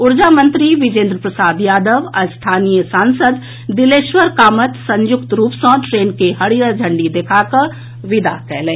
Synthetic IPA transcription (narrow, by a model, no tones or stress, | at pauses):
ʊɾd͡ʒaːmə̃nt̪ɾiʋɪd͡ʒẽːnd̪ɾəpɾəsaːd̪jaːd̪əʋəst̪ʰaːnijəsãːnsəd̪ː | ɪleːʃʋəɾkaːmət̪sə̃ɲjʊkt̪ɾuːpsɔ̃ːʈɾeːnkeɦɐɽijad͡ʒʱə̃ɳɖid̪ekʰakə | ʋɪd̪a̰kɛːlẽː